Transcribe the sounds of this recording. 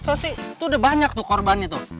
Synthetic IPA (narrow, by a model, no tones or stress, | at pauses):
sosɪt̪udabaɲak̚t̪ʊhkɔrbanɲat̪ʊ